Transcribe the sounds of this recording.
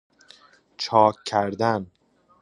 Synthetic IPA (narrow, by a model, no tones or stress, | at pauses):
t͡ʃʰɒːkʰːæɾd̪æn